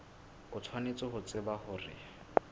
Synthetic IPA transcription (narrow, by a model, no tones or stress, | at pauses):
ʊt͡sʰwanet͡sɔɦʊt͡sɪbahʊrɪ̰